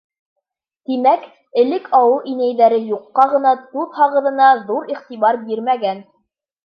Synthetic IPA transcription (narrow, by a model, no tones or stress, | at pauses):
t̪imæk | ɘ̆lɘkʰɑwɤʔinæjðæɾɘjuqːɑʁɤ̆nɑt̪uðhɑʁɤ̆ðɤ̆nɑðuɾiχt̪iβɑɾbiɾmæɡæn